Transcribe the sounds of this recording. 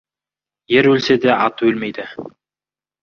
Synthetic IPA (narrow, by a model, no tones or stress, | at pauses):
jeɾwɵlsed̪eʔɑt̪ɵlmejd̪ɪ